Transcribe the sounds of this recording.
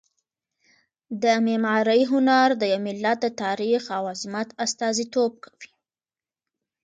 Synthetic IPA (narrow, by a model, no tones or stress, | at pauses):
d̪əmemɑɾəjɦʊnaɾd̪əjawmɪlːat̪̚d̪ət̪ɑɾixawazmat̪ast̪ɑzit̪ob̚kʰḁwi̥